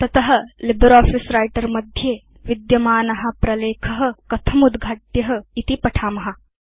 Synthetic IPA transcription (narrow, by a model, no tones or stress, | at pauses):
t̪ɐt̪ɐɦɐ̆libɾɔːfisɾaːjʈɐɾmɐd̪ʱjeː | ʋid̪jɐmaːnɐɦɐpɾɐleːkʰɐɦɐ̆kɐt̪ʰɐmud̪ɡʱaːʈjɐɦɐ̆it̪ipɐʈʰaːmɐɦa